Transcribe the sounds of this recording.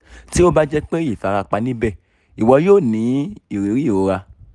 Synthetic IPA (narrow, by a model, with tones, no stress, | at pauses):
ti˦o˦ba˦d͡ʒɛ˦k͡pe˦i˦˨fa˨˧ɾa˧k͡pa˧nĩ˦bɛ˦˨ | i˨wɔ˧joː˦˨nĩ˨˦i˦˨ɾe˨˦ɾi˦˨o˧ɾa˧